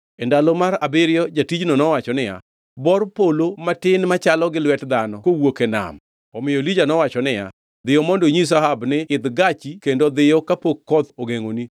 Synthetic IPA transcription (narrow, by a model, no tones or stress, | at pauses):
ɛndalomaɾa̰bɪɾjɔd͡ʒatid͡ʒnɔnɔwat͡ʃɔnɪja̰ | bɔrpolomatɪnmat͡ʃalɔɡɪlwɛtd̪anɔkowokena̰m | ɔmɪjɔlid͡ʒanɔwat͡ʃɔnɪja̰ | d̪ɪjɔmɔndoɲis̬aɦabnɪɪd̪ɡat͡ʃikendod̪ɪjɔkapokkːɔd̪oɡeŋoni